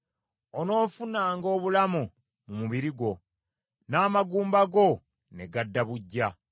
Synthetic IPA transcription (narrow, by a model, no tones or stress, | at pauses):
ono̞ːfunaːŋɡo̞ːβulamu | mumuβiɾiɡwo̞ | naːmaɡuːmbaɡo̞ | ne̞ɡadːaβuɟːa